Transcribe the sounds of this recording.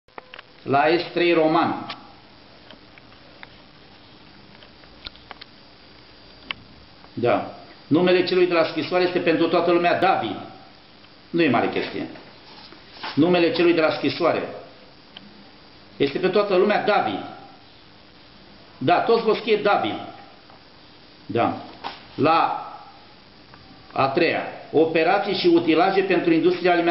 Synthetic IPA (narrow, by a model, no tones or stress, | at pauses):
laest̪t̪ɾejro̞man | d̪a̰nume̞le̞t͡ʃe̞lujd̪e̞laskɾisoaɾejest̪epe̞nt̪ɾut̪oat̪əlumead̪avḭ | nuje̞ma̰ɾḛkʲḛst̪ḭjḛ | nume̞le̞t͡ʃe̞lujd̪elaskɾisoaɾḛ | jest̪epet̪wat̪əlumead̪avḭd̪ | d̪at̪ot̪sʲvorskijed̪avḭn | d̪a̰ | la | a̰t̪ɾeja̰o̞pe̞ɾat̪sijʃiut̪ilaʒe̞pe̞nt̪ɾuind̪ust̪ɾialime